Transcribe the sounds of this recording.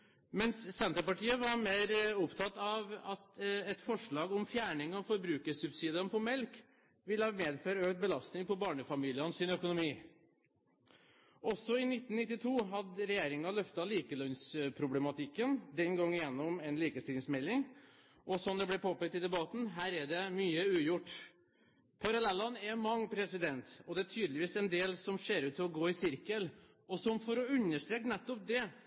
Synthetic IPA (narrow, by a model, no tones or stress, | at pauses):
mɛnsːɛnt̪əpɑʈʰiːəʋɑɾmeːɾʊpt̪ʰɑt̪ːɑʋɑt̪ɛt̪fɔʂɭɑːɡɔmfjæːɳɪŋɑʋfɔɾbɾʉːkəsʉbsiːd̪ənpʰɔmɛlk | ʋɪləhɑːmeːd̪føːɾəøːkt̪̚bəlɑst̪nɪŋpɔbɑːɳəfɑmiːlɪənsɪnœkʊnʊmiː | ʔɔsɔɪnɪt̪ːn̩nɪt̪ːɪt̪ʰuːɦɑd̪əɾɛjeːɾɪŋɑlœft̪ɑliːkəlœnspʰɾʊblɛmɑt̪ʰɪkːənd̪ɛnɡɑŋːɪjɛnːʊmɛnliːkəst̪ɪlɪŋsmɛlːɪŋ | ʔɔsɔnd̪ɛblɛpʰoːpɛk̚t̪ɪd̪ɛbɑt̪n̩ɦæːɾɛɖɛmyːəʉːjʊʈː | pʰɑɾɑlɛlːɑnɛɾmɑŋːpʰɾɛsɪd̪ɛnt̪ɔd̪ɛæʈ̪ʰyːd̪lɪʋiːsɛnd̪eːlsɔmseːɾʉːt̪ːɪlɔɡoːɪsɪɾkəl | ɔsɔmfɔɾɔʉnːəʂt̪ɾeːknɛt̪ːɔp̚d̪ɛ